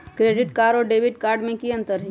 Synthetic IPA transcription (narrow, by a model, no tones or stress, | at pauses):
kɾeːɖɪʈkaːɾɔːɾɖeːʋɪʈkaːɾɖmẽkiɐ̃nt̪əɾɦɛ